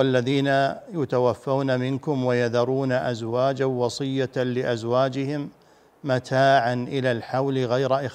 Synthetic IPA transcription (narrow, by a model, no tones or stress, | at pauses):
alːaðiːnajʊt̪awafːawnamɪnkʊmwajaðɑɾˤuːnaʔazwaːd͡ʒawɑsˤɨjːalɪʔazwaːd͡ʒɪhɪmː | at̪ʰaːʕanʔɪlalħawlɪɣajɾaʔɪ